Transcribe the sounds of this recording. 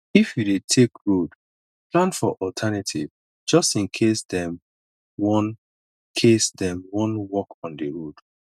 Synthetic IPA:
ifjudetʰekɹod | plãnfɔʔɔltʰɛnatʰḭv | d͡ʒɔstĩnkʰesdɛ̃m | wɔ̃n | kʰesdɛ̃mwɔ̃nwɔkɔ̃ndəɹod̥

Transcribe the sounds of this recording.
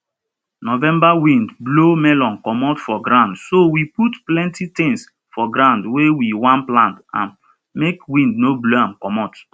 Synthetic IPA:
nɔvɛ̃mbawĩndblomɛlɔ̃nkɔmɔtfɔɡɾãʊ̃ndsowiputplɛ̃ntitĩŋs | fɔɡɾãndwewiwãnplãntã̰n | mekwĩndnobloãmkɔmɔt

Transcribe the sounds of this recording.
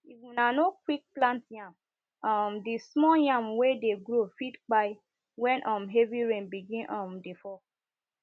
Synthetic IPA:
ivũnanokwik̚plãntjãm | ɔmdismɔjãmwedeɡɾofidk͡paɪ | wɛ̃nʔɔmɦeviɹẽnbiɡĩnʔɔ̃mdifɔ

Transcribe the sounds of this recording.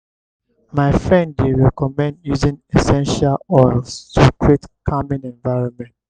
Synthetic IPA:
maɪfɹɛ̃ndːeɹɛkɔmɛ̃ndjuzĩŋɛsɛ̃nʃalɔɪlstʰukɹietkʰamĩnɛ̃nvaɪɹɔ̃nmɛ̃nt

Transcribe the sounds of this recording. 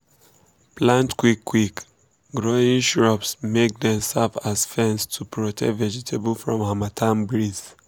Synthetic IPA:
plãntkwikːwik | ɡɹoĩŋʃɹɔpsmek̚dɛ̃msavazfɛ̃nstʰupʰɹotʰɛ̰kvɛd͡ʒɛtʰebulfɹɔ̃mhamatʰãmbɹiz̥

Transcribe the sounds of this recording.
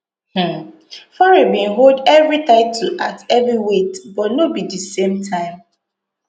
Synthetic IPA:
h̩ | fɔɹebĩn̩ɦoldɛvɹitaɪtʰl̩a̰tɛvɾiwetbɔtnobidisẽmtʰãɪ̃m

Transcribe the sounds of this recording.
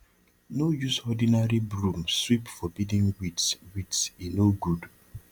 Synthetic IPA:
nojusɔdinaɾibɾũmswipfɔbidĩŋwitswitsinoɡud

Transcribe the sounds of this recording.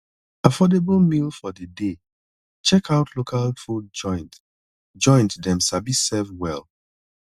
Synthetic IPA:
afɔdeblˠmilfɔdəde | t͡ʃɛkʰaʊtʰlokʰalfud̚d͡ʒɔ̃ɪ̃nt | d͡ʒɔ̃ɪ̃ntdɛ̃msabisɛlfwɛl

